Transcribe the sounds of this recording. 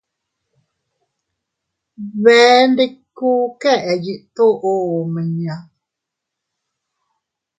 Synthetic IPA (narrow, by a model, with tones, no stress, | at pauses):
βɛː˨˦n˦de˦kuː˦kɛ˦˨ʔɛ˨ji˨ʔt̪o˦ʔo˦o˨mə˨ɲa˨˦